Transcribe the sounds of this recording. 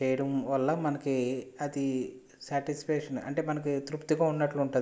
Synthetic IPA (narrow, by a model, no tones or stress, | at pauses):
t͡ʃɛːjɐɽɐmʋɐlːɐmɐnɐkiɐd̪i | saːʈisi̥pɛːʂɐnɐ̰ɳʈe̞ːmɐnɐkit̪ɾupt̪iɡaːunːɐʈluuɳʈu